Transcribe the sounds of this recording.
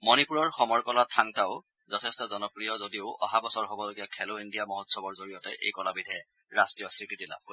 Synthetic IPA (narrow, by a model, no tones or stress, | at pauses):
mɔnipuɹɔɹxɔmɔɹkɔlatʰaŋtaʊ | zɔtʰɛstɔzɔnɔpɹijɔzodiʊʔɔ̰ɦabɔsɔɹɦɔbɔloɡijakʰɛloindijamɔɦɔtsɔbɔɹzoɹijɔtɛʔḛjkɔlabidʱɛ | ɹastɹijɔsɹikɹitila̰b̚ko